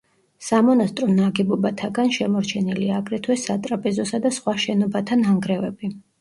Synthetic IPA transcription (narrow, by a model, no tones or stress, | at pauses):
samɔnast̪ʼɾɔnaɡɛbɔbat̪ʰaɡanʃɛmɔɾt͡ʃʰɛniliaːɡɾɛt̪ʰwɛsat̪ʼɾapʼɛzɔsad̪asχwaʃɛnɔbat̪ʰanaŋɡɾɛvɛbi